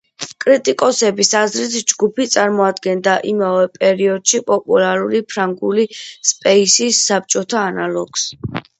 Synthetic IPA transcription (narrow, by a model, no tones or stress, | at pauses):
kʼɾit̪ʼikʼɔsɛbisazɾit̪d͡ʒɡupʰit̪sʼaɾmɔad̪ɡɛnd̪aʔimavɛpʼɛɾiɔd̪̥ʃipʼɔpʼulˠaɾulipʰɾaŋɡulispʼɛisisːap̚t͡ʃʼɔt̪ʰaːnalɔɡ̥s